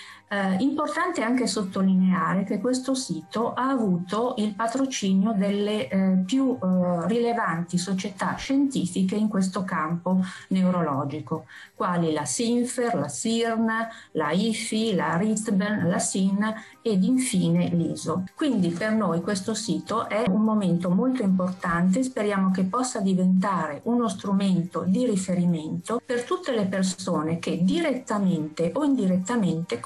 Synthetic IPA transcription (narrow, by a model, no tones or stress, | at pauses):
import̪ant̪eaŋk̟esot̪ːolineaːɾek̟ekːwes̬t̪osiːt̪oʔaːvuːt̪oilpat̪ɾot͡ʃiːnjod̪elːepjurilevant̪isot͡ʃet̪aʃent̪iːfikeiŋkwes̬t̪okamponeuɾolɔːd͡ʒiko | kwaːlilasiɱferlasirnalaifilarit̪benlasina | ed̪iɱfiːneliːzokwind̪ipernojkwest̪osiːt̪oʔɛummoment̪omolt̪oimport̪ant̪̬es̬peɾjaːmokepːɔsːad̪ivent̪aːɾeʔunost̪ɾument̪od̪iɾifeɾiment̪opert̪ut̪ːelepersoːneked̪iɾet̪ːament̪eʔoind̪iɾet̪ːament̪e